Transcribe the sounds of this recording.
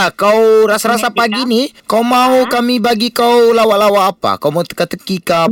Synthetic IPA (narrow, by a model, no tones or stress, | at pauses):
akawɾasaɾasapaɡinikawmaɦukamibaɡikawlawaʔlawaʔːpa̰kawmaut̪ə̥kat̪əkika